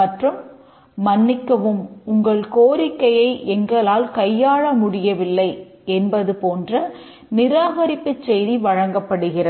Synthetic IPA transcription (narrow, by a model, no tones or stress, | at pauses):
ɐʈrɯmː | ɐnːɪkːɐʋɯmʊŋɡɐɭkoːɾɪkːɐjɐɪʔɛŋɡɐɭaːlkɐjːaːɻɐmʊɽɪjɐʋɪlːɐɪ | ɛnbɐðɯpoːndrɐ | nɪɾaːɣɐɾɪpːɯt͡ʃsɛjðiʋɐɻɐŋɡɐpːɐɽɯɣɪrɐ